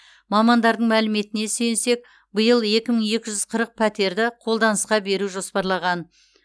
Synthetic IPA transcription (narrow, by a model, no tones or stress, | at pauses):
mɑmɑnd̪ɑɾd̪əɴmælɪme̞t̪ɪne̞sejnse̞k̚ | bəjəlˠe̞kʲɪməɴe̞kʲɪʒʏz̥qʰəɾəq̚pʰæt̪e̞ɾd̪ɪqʰo̞lˠd̪ɑnəsqɑbe̞ɾuʒo̞spɑɾlˠɑʁɑn